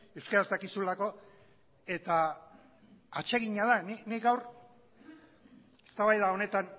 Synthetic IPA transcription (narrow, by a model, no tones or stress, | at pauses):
ewskaɾasakisulako̞ | e̞t̪a | at͡ʃe̞ɣiɲaðaniniɡawr | e̞̥st̪aβajðao̞ne̞t̪an